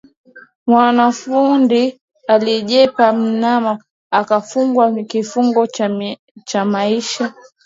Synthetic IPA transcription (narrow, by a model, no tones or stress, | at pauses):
mwanafundi | aliʄɛpam̩nama | akafuŋɡwakifuŋɡɔ | t͡ʃamaiʃa